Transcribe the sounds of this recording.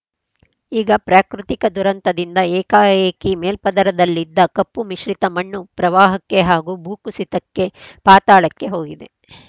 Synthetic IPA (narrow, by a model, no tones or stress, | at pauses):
iːɡɐpɾaːkɾut̪ikɐd̪uɾɐnt̪ɐd̪ind̪ɐɛːkaːjeːkimeːlpɐd̪ɐɾɐd̪ɐlːid̪ːɐkɐpːumiʃɾit̪ɐmɐɳːupɾɐʋaːɦɐkːe̞ɦaːɡubuːkusit̪ɐkːe̞paːt̪aːɭɐkːe̞ɦo̞ːɡid̪e